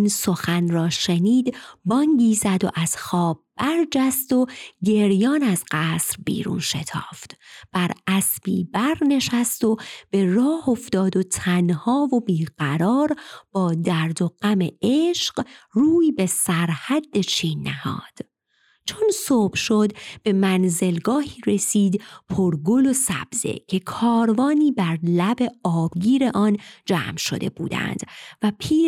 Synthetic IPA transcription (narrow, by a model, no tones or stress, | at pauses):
inso̞xænrɒːʃeniːd̪bɒːŋɟiːzæd̪o̞̰ʔæz̥xɒːb̚bæɾd͡ʒæst̪o̞ɟe̞ɾjɒːnæzɢæːsɾbḭːɾṵːnʃe̞t̪ʰɒ̰ːft̪b̥æɾʔæsb̥ḭːbæɾne̞ʃæst̪o̞b̥e̞rɒːhoft̪ɒːd̪o̞t̪ʰænhɒːvo̞biːɢ̥æɾɒːɾb̥ɒːd̪æɾd̪o̞ɢ̥æmeeʃɢruːibe̞sæɾhæd̪ːe̞t͡ʃʰiːnːæhɒ̰ːd̪̥ | t͡ʃʰonsoːb̥ʃo̞d̪b̥e̞mænze̞lɡɒːhiːɾe̞siːd̪pʰoɾɡolosæ̰b̥z̥ḛcʰe̞kʰɒːɾvɒːniːbæɾlæbe̞ɒːb̥ɡiːɾe̞ʔɒːnd͡ʒæ̰ːmʃo̞̰d̪e̞̰bṵːd̪æ̰nd̪̥væpʰiː